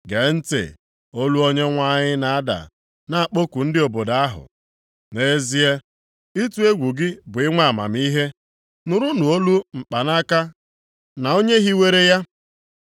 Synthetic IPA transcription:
ɡe˨n̩˦tḛ˨ | o˦lu˦o˦ɲe˦ŋʷa˦ɲɪ˦na˨a˦da̰˨ | na˨a˨k͡po˦ku˨n̩˦dɪ˦o˨bo˨da˨a˦ɦʊ̰˨ | ne˦zi˦e˦ | i˦tu˦e˦ɡʷu˨ɡɪ˦bʊ˨ɪ˦ŋʷa˦˨a˨ma̰˨m̩˦i˦ɦe˦ | nʊ˨ɾʊ˦nʊ˨o˦lu˦ŋ͡m̩˨k͡pa˨na˦ka˦ | na˨o˦ɲe˦ɦi˦we˦ɾe˦ja˦

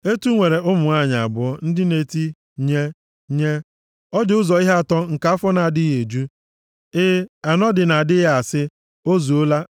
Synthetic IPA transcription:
e˦tu˦ŋʷe˨ɾe˨ʔʊ˦mʊ˨ŋa˦˨ɲa˨a˨bʊ˨ɔ˦n̩˦dɪ˦ne˨ti˦ | ɲe˦ | ɲe˦ | ɔ˦d͡ʒʊ˦zɔ˨i˦ɦa˦˨tɔ˦ŋ̩˨ka˦a˦fɔ˦na˨a˨dɪ˦ɣe˨d͡ʒu˦ | ɪ˦a˨nɔ˦dɪ˨na˨dɪ˦ɦa˨sɪ˦ | o˦zu˨o˦la˦

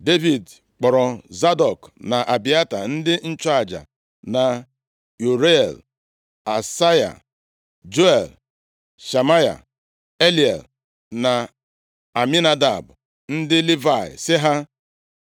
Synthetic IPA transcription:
de˦vi˨d | k͡pɔ˨ɾɔ˨za˦dɔ˨kna˨ʔa˨bi˨a˦ta˨n̩˦dɪ˦n̩˦t͡ʃa˨d͡ʒa̰˨ | na˨ | u˨ɾe˦˨l | a˨sa˦ja̰˨ | d͡ʒo˦e˨l | ʃa˨ma˦ja̰˨ | e˦li˨ḛ˨l | na˨ | a˨mi˦na˦da̰˨b | n̩˦dɪ˦li˦va˦˨ɪ̰˨sɪ˦ɦa˦

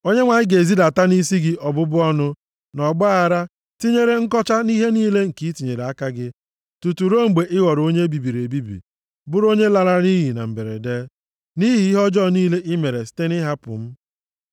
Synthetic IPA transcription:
o˦ɲe˦ŋʷa˨ɲɪ˦ɡe˨zi˦da˨ta˦ni˦si˦ɡɪ˦ʔɔ˨bʊ˦bʊ˦ɔ˦nʊ˦ | nɔ˨ɡ͡ba˦a˨ɾa˦ | ti˦ɲe˦ɾe˦ŋ̩˦kɔ˦t͡ʃa˦ni˦ɦe˦niː˦le˦ŋ̩˨ki˦ti˨ɲe˨ɾe˨a˦ka˦ɡɪ˦ | tu˨tu˨ɾo˦ŋ͡m̩˨ɡ͡be˨ʔɪ˦ɣɔ˨ɾo˦ɲe˦bi˨bi˨ɾe˨bi˦bḭ˨ | bʊ˦ɾo˦ɲe˦la˨ɾa˦ni˦ɦi˨na̰˨m̩˨be˨ɾḛ˨de˦ | ni˦ɦi˨i˦ɦɔ˦d͡ʒɔ˦˨niː˦le˦ʔɪ˦me˨ɾe˨si̥˦te˦nɪ˦ɦa˦pʊ̰˨m̩˦

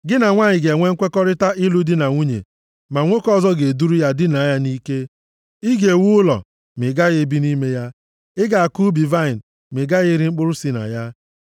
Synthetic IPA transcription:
ɡɪ˦na˨ŋʷa˦ɲɪ˨ɡe˨ŋʷe˦ŋ̩˦kʷe˦kɔ˦ɾɪ˦ta˦ʔɪ˦lu˦dɪ˦na˨ŋʷu˦ɲḛ˨ | ma˨ŋʷo˦kɔ˦zɔ˦ɡe˨du˦ɾu˦ja˦dɪ˦na˨a˦ja˦ni˦ke˦ | ɪ˦ɡe˨wu˦ʊ˦lɔ̰˨ | mɪ˨ɡa˦ɣe˦bi˦ni˦me˦ja˦ | ɪ˦ɡa˨a˨ku˦bi˨va˦ɪ˨n˨ | mɪ˨ɡa˦ɣɪ˦ɾɪ˦ŋ͡m̩˦k͡pʊ˦ɾʊ˦si˦na̰˨ja˦

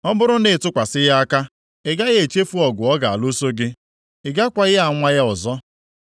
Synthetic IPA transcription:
ɔ˦bʊ˦ɾʊ˦nɪ˨tʊ˦kʷa˨sɪ˦ja˦a˦ka˦ | ɪ˨ɡa˦ɣe˨t͡ʃe˦fu˦ɔ˨ɡʷʊ˨ɔ˦ɡa˨a˨lo˦so˦ɡɪ˦ | ɪ˨ɡa˦kʷa˨ɣɪ˦a˨ŋʷa˦ɣa˦ʊ˨zɔ˦

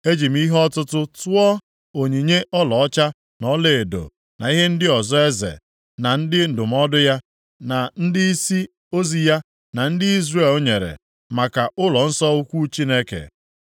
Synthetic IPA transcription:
e˦d͡ʒi˨m̩˦i˦ɦɔ˦tʊ˦tʊ˦tʊ˦ɔ˦ | o˨ɲi˨ɲe˦ʔɔ˦lɔ˨ɔ˦t͡ʃa˦ | nɔ˦le˨e˨do̰˨ | na̰˨i˦ɦe˦n̩˦dɪ˦ɔ˨zɔ˦e˦zḛ˨ | na˨n̩˦dɪ˦n̩˨dʊ˨m̩˦ɔ˦dʊ˦ja˦ | na˨n̩˦dɪ˦i˦si˦ | o˦zi˦ja˦ | na˨n̩˦dɪ˦i˦zre˦˨lo˦ɲe˨ɾḛ˨ | ma˨ka˨ʔʊ˦lɔ˨n̩˦sɔ˦u˦kʷu˦t͡ʃi˦ne˦kḛ˨

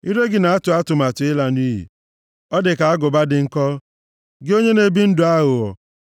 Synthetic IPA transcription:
i˦ɾe˦ɡɪ˨na˨a˦tʊ˨a˦tʊ˨ma˨tʊ˨˦ɪ˦la˦ni˦ɦḭ˨ | ɔ˦dɪ˨ka˨a˦ɡʊ˨ba˦dɪ˨ŋ̩˦kɔ˦ | ɡɪ˦o˦ɲe˦ne˨bi˦n̩˦dʊ˨a˦ɣʊ˨ɔ˨

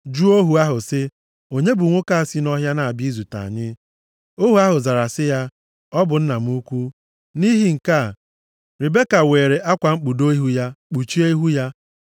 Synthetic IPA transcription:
d͡ʒu˦o˦ɦu˨a˦ɦʊ˨sɪ˦ | o˨ɲe˦bʊ˨ŋʷʊ˦ka˦a˨si˦nɔ˦ɦja˦na˨a˨bi˦zu˨ta̰˨a̰˨ɲɪ˦ | o˦ɦu˨a˦ɦʊ˨za˨ɾa˨sɪ˦ja˦ | ɔ˦bʊ˨n̩˦na˨m̩˦u˦kʷu˦ | ni˦ɦi˨ŋ̩˨ka˦˨ | ɾi˨be˦ka˨weː˨ɾe˨ʔa˦kʷa˨ŋ͡m̩˦k͡pu˨do˦i˦ɦu˦ja˦k͡pu˨t͡ʃi˦e˦i˦ɦu˦ja˦

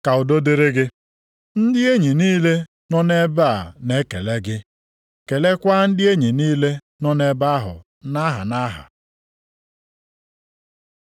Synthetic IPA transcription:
ka˨ʊ˨do˦dɪ˦ɾɪ˦ɡɪ˦ | n̩˦dɪ˦e˦ɲi˨niː˦le˦ | nɔ˦ne˦ba˦a˨ne˦ke˨le˦ɡɪ˦ | ke˨le˦kʷa˦n̩˦dɪ˦e˦ɲi˨niː˦le˦ | nɔ˦ne˦ba˦a˦ɦʊ̰˨ | na˦ɦa̰˨na˦ɦa̰˨

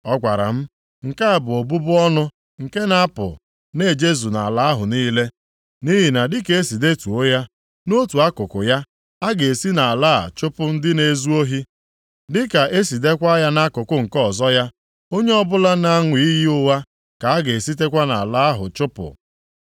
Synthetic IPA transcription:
ɔ˦kʷa˨ɾa̰˨m̩˦ | ŋ̩˨ka˦a˨bʊ˨o˨bu˦bʊ˦ɔ˦nʊ˦ | ŋ̩˨ke˦na˦a˦pʊ̰˨ | ne˦˨d͡ʒe˦zu˨na̰˨a˨la˦a˦ɦʊ˨niː˦le˦ | ni˦ɦi˨na˨dɪ˦ke˨e˦si˨de˦tu˨o˦ja˦ | no˦tu˨a˦kʊ˨kʊ˨ja˦ | a˦ɡe˨e˨si˦na˨a˨la̰˦˨t͡ʃʊ˦pʊ˦n̩˦dɪ˦ne˦zu˦o˦ɦi˦ | dɪ˦ka˨ʔe˦si˨de˦kʷa˦ja˦na˦kʊ˨kʊ˦ŋ̩˨kɔ˦˨zɔ˦ja˦ | o˦ɲe˦ɔ˦bʊ˦la˦na˦ŋʷi˨˦i˦ji˦ʊ˦wa˦ | ka˨a˦ɡe˨e˨si˦t̬e˦kʷa˦na̰˨la˦a˦ɦʊ˨t͡ʃʊ˦pʊ̰˨

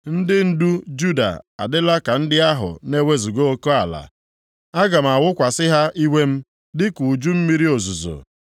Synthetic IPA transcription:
n̩˦dɪ˦n̩˦du˦d͡ʒu˦da̰˨a̰˨dɪ˦la˦ka˨n̩˦dɪ˦a˦ɦʊ̰˨ne˦we˦zu˨ɡo˦o˦ko˦a˨la̰˨ | a˦ɡa˨m̩˨a˨wʊ˦kʷa˨sɪ˦ɦa˦i˦we˦m̩˦ | dɪ˦ku˨d͡ʒu˦m̩˦mi˦ɾi˦o˨zu˨zo̰˨

